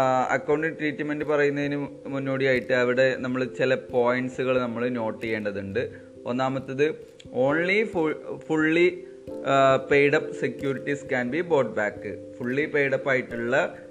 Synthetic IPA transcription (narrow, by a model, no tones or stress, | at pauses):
ɐ̰kːɐwɳɖiŋʈriːtːɨme̞ndɨpɐrɐjunːɐðinɨmunːoːɽijaːjiʈːɨɐʋiɽe̞nɐmːɐɭt͡ɕilɐpoːjɐɳɖsuɣɐɭnɐmːɐɭno̞ːʈːijeːɳɖɐðuɳɖɨ | o̰nːaːmɐt̪ːɐðɨ | o̞ːnlifufuɭːi | pːe̞jɽɐpːsekjuːɾiʈːiskaːnbibo̞ːɖ̚baːkːɨ | fuɭːipe̞ːjɽɐpːaːjiʈːuɭːɐ